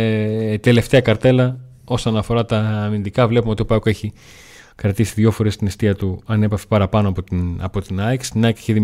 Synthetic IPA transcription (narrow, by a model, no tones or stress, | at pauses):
t̪e̞le̞ft̪e̞ɐkɐɾt̪e̞lɐ | o̞so̞nɐfo̞ɾɐt̪ɐːmind̪ikɐvle̞pumeot̪iopɐkoe̞çi | kɾɐt̪isiðʝo̞fo̞ɾe̞st̪inest̪iɐt̪uɐne̞pɐfepɐɾɐpɐnoɐpoɐ̰po̞t̪inɐekst̪inɐekse̥çiðim